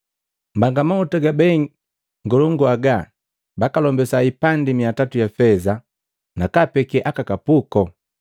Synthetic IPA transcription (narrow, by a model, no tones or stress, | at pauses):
m̩baŋɡamautaɡabɛ | ŋɡɔlɔŋɡuaɡa | bakalɔmbɛsaipandimiatatujafɛza | nakapɛkɛʔakakapukɔ